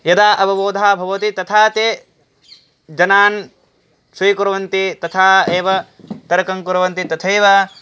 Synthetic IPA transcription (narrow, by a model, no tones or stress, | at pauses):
jɐd̪aːʔɐbɐboːd̪ʱaːbʱɐʋɐt̪it̪ɐt̪ʰaːt̪eː | d͡ʒɐnaːn | siːkuɾɐʋɐnt̪it̪ɐt̪ʰaːeːʋɐ | t̪ɐɾɐkɐŋkuɾɐʋɐnt̪it̪ɐt̪ʰeːʋaː